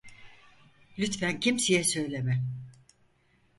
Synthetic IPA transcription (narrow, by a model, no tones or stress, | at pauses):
lʲyt̪fæncʰimsijɛsø̞jlʲemɛ